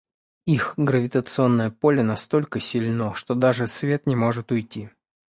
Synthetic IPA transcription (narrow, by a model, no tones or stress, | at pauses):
ixɡɾəvʲɪt̪ət̪sɨo̞nːəjəpo̞lʲɪnɐst̪o̞lʲkəsʲɪlʲnoʂt̪od̪aʐɨsvʲe̞t̪nʲɪmo̞ʐɨt̪ʊjtʲi